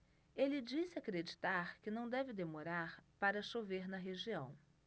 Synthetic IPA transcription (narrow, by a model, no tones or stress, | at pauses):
elɪd͡ʒisɪakɾed͡ʒit̪aɾkɪnɐ̃w̃d̪ɛvɪd̪emoɾaɾpaɾɐʃoveɾnɐɦeʒiɐ̰̃w̃